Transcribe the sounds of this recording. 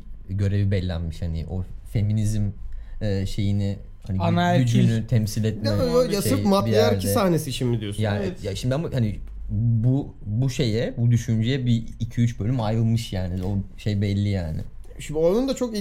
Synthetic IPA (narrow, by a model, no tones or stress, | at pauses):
ɟø̞ɾevibɛlʲːæ̰nmiʃhanɪ̰ʔo̞fe̞minizimɛːʃe̞jinɪ | haniaayd͡ʒynyt̪ʰɛmsilʲɛt̪mɛøːjasɾmapijeæɾdcʰiɛssahnesiʃimid̪ijosjaːnijaʃimd̪iamahani | bu | buʃe̞jɛbud̪yʃynd͡ʒejɛbiːcʰyyt͡ʃbølʲymajɯlˠmɯʃjaːnioʃejbɛlʲːijaːnɪ̰ʃimonund̪at͡ʃʰo̞k